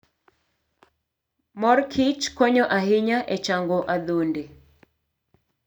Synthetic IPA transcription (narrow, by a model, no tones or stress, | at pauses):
mɔrkʰit͡ʃkoɲɔʔahɪɲaʔet͡ʃaŋɡɔʔad̪onde